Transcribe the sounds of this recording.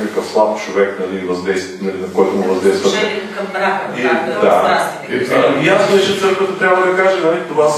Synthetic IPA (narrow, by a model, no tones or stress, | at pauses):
kəkəfslˠabt͡ʃovɛknɐlivɐzd̪ɛjst̪nɐlinɐkɔjt̪ʊmʊvɐzd̪ɛjst̪vət̪ɛɐmbɾaid̪a | ijasnɛt͡ʃɛɛkɛt̪ot̪ɾʲabvəd̪ɐkaʒɛnɐlit̪ovas